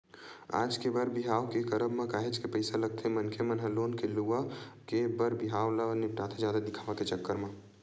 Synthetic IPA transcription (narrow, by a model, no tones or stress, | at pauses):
a̰d͡ʒkebəɾbiɦaːwkekəɾəbmekaːɦet͡ʃkepəɪsaləɡ̚t̪ʰemənkʰemənɦəlonkeluakebəɾbiɦaːwlaniʈat̪ʰed͡ʒjad̪ad̪ikʰabaket͡ʃəkːəɾme